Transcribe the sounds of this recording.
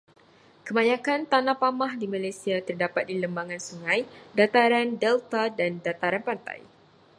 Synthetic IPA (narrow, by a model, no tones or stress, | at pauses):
kəmãɲãkant̪anãpamahdimalajsiat̪ərdapat̪̚diləmbaŋãnsuŋãjdat̪aɾandɛlt̪adandat̪aɾanpant̪a̰j